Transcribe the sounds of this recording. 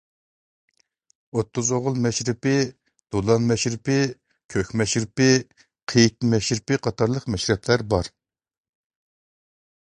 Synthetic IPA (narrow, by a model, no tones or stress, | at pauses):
ot̪ʰːʊzoʁʊlˠmɛʃɾɪpɪ | d̪̥olˠɑnmɛʃɾɪpɪ | kʲʰøkʲmɛʃɾɪpɪ | qʰejt̪mɛʃɾɪpɪqʰɑt̪ʰɑɾlˠəqmɛʃɾɛpʰlæɾbɑɾ